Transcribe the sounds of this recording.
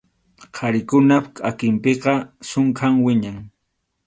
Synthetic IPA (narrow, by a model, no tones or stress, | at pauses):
qʰɑɾɪkʊnapkʼakɪmpeqɑsʊŋkʰaŋwɪɲaŋ